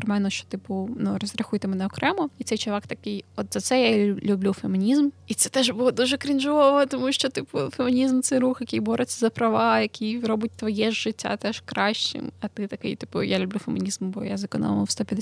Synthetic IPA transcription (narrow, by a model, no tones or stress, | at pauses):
ɾmalʲnɔʃt͡ʃɔ̥t̪ɪpʊnurɔzʲɾʲɐxujt̪emenɛɔkɾɛmɔit̪sɛjt͡ʃɔʋɑkt̪ɐkɪjɔt̪zɐt̪sɛjalʲublʲufemɪnʲizmit̪sɛt̪ɛʒbʊlˠɔd̪uʒɛkɾʲind͡ʒɔʋɔt̪ɔmuʃt͡ʃɔt̪ɪpʊfemɪnʲizmt̪sɛjɾuxjɐkɪjbɔɾɪt͡sʲːɐzɐpɾɐʋɑjɐkʲʰijɾɔbʊt̚ʲt̪ʋɔjɛʒːɪtʲːa̰t̪ɛʃkɾɑʃt͡ʃɪ̰mɐt̪ɪt̪ɐkɪ̰jt̪ɪpʊ̰jalʲʊblʲufemɪnʲizmʊbɔjazɐkɔnɔ̰st̪ɔpʲjɐd̪